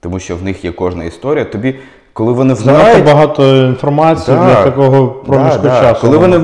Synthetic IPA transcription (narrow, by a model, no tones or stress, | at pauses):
t̪ɔmuʃt͡ʃɔwnɪxjɛkɔʒnɐ̰ist̪ɔɾʲijɐt̪ɔbʲi | kɔlˠɪʋɔnɪaaɐbɐɦɑt̪ɔinfɔrmɑt͡sʲijid̪lʲɐt̪ɐkɔɦɔpɾɔmʲiʃkɔt͡ʃt͡ʃaskɔlˠɪʋɔnɪ